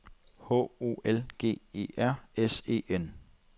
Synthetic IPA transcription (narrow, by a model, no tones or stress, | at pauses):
hɔ̰o̝̰ːelɡ̥e̝̰ːe̝̰ːæɐ̰ese̝̰ːen